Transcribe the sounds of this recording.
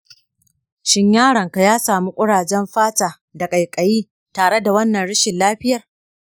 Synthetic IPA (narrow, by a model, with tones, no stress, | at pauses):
ʃɪ˦ɲjaː˦ɽɐ˨ŋka˨jaː˦saː˨mu˦kʷʼʊ˦ɽaː˨d͡ʒɛ˦mɸaː˦taː˨ | da˨kʼɐ˨jkʼɐ˨jiː˦ | taː˨ɽe˦da˨wɐ˦nːɐ˨nɽɪ˦ʃɪ˨nlaː˦ɸɪ˦jɐ˨r